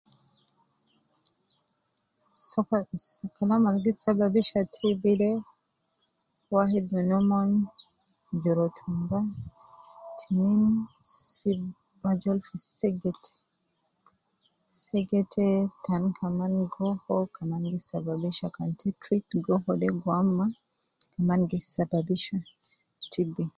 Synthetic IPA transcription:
sɔsɐkɐlɐmɐɾɡɪsɐbɐbɪʃɐt̪ʰɪbɪd̪ɛ | waɦɛd̪ʊnɔman | d͡ʒɪɾɔt̪ʰʊmbɐ | t̪ʰɪnɪnsɪ | bɐd͡ʒɔlfɪsɛɡɛt̪ʰɛ̥ | sɛɡɛt̪ʰɛt̪ɐnkʰɐmɐnɡɔhɔkʰɐmɐnɡɪsːɐbɐbɪʃɐkɐnt̪ɛt̪ɾɪtɡɔɦɔdɛɡɔamːɐ | kʰɐmɐnɡɪsɐbɐbɪʃɐ | t̪ʰɪbɪ

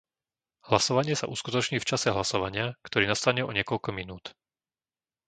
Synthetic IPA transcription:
hlasɔʋaɲɪɛsa̰ʔuskut̪ɔt͡ʃɲiːft͡ʃasɛɦlasɔʋaɲɪakt̪ɔɾiːnast̪aɲɛɔɲɪɛkɔʎkɔminuːt̪

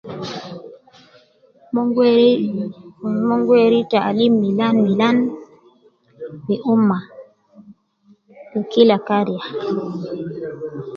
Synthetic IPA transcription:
m | mɔŋɡwɛɾitaalimːilanmilan | miʔumːa | ikilakaɾija

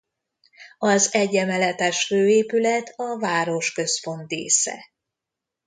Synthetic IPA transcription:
ɒzɛɟːɛmɛlɛt̪ɛʃføːeːpylɛt̪ʰɒvaːɾo̞ʃkø̞sfo̞nt̪ḛːsɛ̰

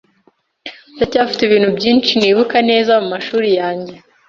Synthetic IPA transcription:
jacaːfi̥teβiːn̥hubɟiːnt͡ʃiniːβukane̞ːzamumaʃuːɾijaːɲɟe̞

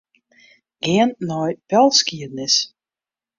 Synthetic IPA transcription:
ɡ̥ɪənːɔjpɛlˠskiədnɪs

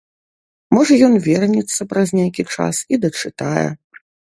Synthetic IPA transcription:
mɔʐɐjɔnvʲɛrnʲɛt̪sːɐpɾɐzʲnʲajkʲit͡ʂa̰sid̪ɐt͡ʂɨt̪ajɛ̰

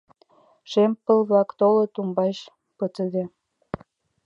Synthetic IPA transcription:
ʃempːə̆lβlɑkt̪olot̪umbɑɕ | pət̪ə̆d̪e

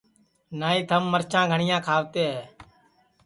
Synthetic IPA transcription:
naːiːt̪ʰəmːəɾt͡ʃãːɡʱəɳɪjãːkʰaːʋt̪eːɦɛː

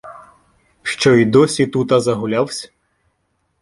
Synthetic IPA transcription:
ʃt͡ʃɔid̪ɔsʲit̪ut̪ɐzɐɦʊlʲawsʲɐ̥

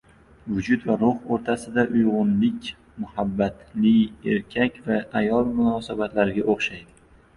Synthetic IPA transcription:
vʊd͡ʒʊt̪vaɾʊhoɾt̪ʰasɪd̪aʔʊjʁʊnlɪkʲ | mʊhabːat̪lɪje̞̰ɾkʲʰakʲvaajɒlˠmʊnɒːsabat̪laɾɪɡʲaʔoχʃajd̪ɪ

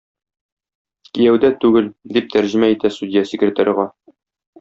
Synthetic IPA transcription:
kijæwd̪æt̪ʉɡɘld̪ip̚t̪æɾʑɘ̆mæit̪æst̪ud̪ʲɪjasʲɪkɾʲɪt̪aɾʲʁɑ

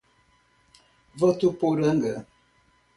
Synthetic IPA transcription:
vətupoɾəŋ̩ɡə

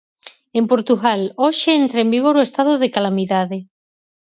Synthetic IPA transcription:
empoɾt̪uɣaloʃeent̪ɾaembiɣ̞oɾoest̪aðoðekalamiðaðe

